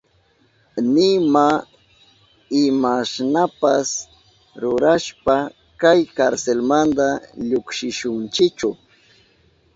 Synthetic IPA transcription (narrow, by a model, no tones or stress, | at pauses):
nɪma | ɪmaʃnapas | ɾʊɾaʃpa | kajkaɾselmand̪aʎokʃɪʃʊnt͡ʃɪt͡ʃʊ